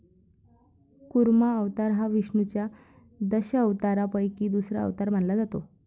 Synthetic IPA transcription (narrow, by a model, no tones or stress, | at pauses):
kuɾmaəʋt̪aɾɦaʋiʂɳut͡ɕja | d̪əɕəəʋt̪aɾapəjkiːd̪usɾa̰ə̰ʋt̪aɾm̤anlad͡zat̪o